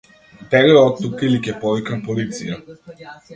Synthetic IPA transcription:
t̪ɛɾiɔt̪ːukailikʲɛpɔvikapɔlit̪sija

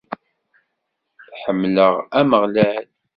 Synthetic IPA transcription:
θħəmːləʁæməʁlæl

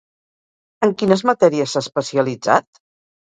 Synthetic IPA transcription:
əŋkinəzmət̪ɛɾiəsːaspəsiəlid͡za̰t̪̚

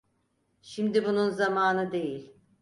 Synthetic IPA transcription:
ʃimd̪ibununzamaːnɯd̪e̞jilʲ

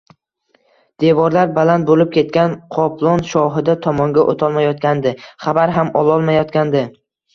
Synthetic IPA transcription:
d̪̥evɒɾlaɾbalant̪̚bolɪp̚kʲe̞t̪̚kʲanqʰɒpʰlˠɒnʃɒɦɪd̪at̪ʰɒmɒŋɡʲaʔo̰t̪ʰɒlˠmajɒt̪̚kʲand̪ɪχabaɾɦamɒlˠɒlˠmajɒt̪kʲand̪ɪ

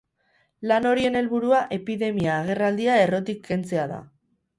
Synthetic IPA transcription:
lano̞ɾie̞ne̞lβuɾuaʔe̞piðe̞miaːɣ̞e̞rald̪iae̞ro̞t̪ikːe̞nt͡se̞aða̰

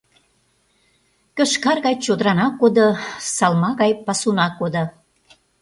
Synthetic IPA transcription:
kə̆ʃkɑrɣɑjt͡ɕod̪əɾɑnɑkːod̪əsɑlmɑɣɑjpɑsunɑkːod̪ŏ

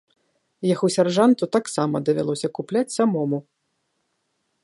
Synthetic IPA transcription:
jaxusʲarʐant̪ut̪aksamɐd̪ɐvʲalˠɔsʲɐkuplʲat͡sʲsamɔmu

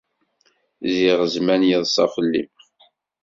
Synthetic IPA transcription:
ziʁəzmænjiðˤsˤɑfəlːḭm

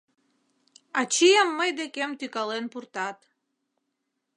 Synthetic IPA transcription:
ɑt͡ɕijəmːəjd̪ekemt̪ykɑlenpurt̪ɑt̪

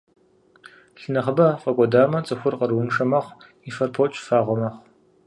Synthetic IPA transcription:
ɬɨnɐχəbɐfʼɐkʷʼɔdaːmɐt͡sʼɨxʷʊrqɐɾwʊnʂɐmɐχʷ | ifɐrpʰot͡ʃʼfaːʁʷɔmɐχʷ

